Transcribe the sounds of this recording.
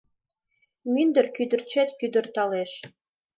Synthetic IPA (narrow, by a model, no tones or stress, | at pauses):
mynd̪ə̆rkyd̪ə̆rt͡ɕet̪kyd̪ə̆rt̪ɑleʃ